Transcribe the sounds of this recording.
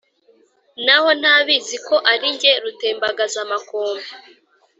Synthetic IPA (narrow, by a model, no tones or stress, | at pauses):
naho̞n̥haːβiziko̞ʔaɾiɲɟe̞ɾute̞ːmbaɡazamakoːmbe